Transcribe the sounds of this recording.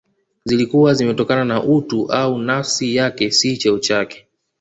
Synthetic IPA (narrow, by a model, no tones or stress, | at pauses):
zilikuwazimɛtɔkananaʔutuʔaunasijakɛsit͡ʃɛut͡ʃakɛ̥